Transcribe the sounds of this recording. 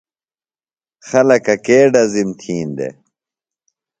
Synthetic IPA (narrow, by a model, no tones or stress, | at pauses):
xɐlɐkɐkeːɖɐzimt̪ʰiːnd̪ḛ